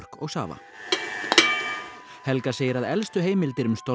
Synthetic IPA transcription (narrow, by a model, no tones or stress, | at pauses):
r̥kɔɣsa̰ːva̰ | hɛlkaseːjɪɾaðɛlst̪ʏɦeːjmɪlt̪ɪɾʏmst̪ɔ